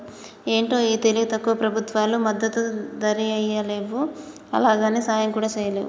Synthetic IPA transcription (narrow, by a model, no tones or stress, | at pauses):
e̞ːɳʈo̞ːiːt̪e̞liɡut̪ɐkːuʋɐpɾɐbʱut̪ʋaːlumɐd̪ːɐt̪ud̪ɐɾiɐjɐle̞ːʋu | ɐ̰laːɡaːneːsaːjɐŋkuːɽaːt͡ʃɛːjɐleːʋu